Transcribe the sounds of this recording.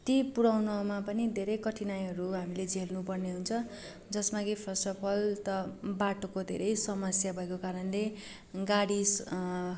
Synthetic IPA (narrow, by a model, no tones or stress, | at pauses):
t̪ipuɽawnʌmapʌnid̪ʱeɾʌjkʌʈʰinajɦʌɾuɦamiled͡zelnupʌrneɦunt͡sʰʌ | d͡zʌsmaɡipʰʌsʈʌpʰʌlt̪ʌbaʈokod̪ʱḛɾʌjsʌmʌsjabʱʌekokaɾʌnle | ɡaɽis